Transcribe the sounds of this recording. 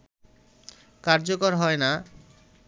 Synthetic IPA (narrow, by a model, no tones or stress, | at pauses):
kaɾd͡ʑokoɾɦɔena